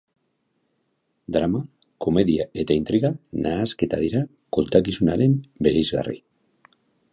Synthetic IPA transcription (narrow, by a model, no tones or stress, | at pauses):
d̪ɾama | ko̞me̞ðiae̞t̪aint̪ɾiɣanʔaːske̞t̪aðiɾa | ko̞lt̪akisunaɾe̞mbe̞ɾejzɣa̰rḭ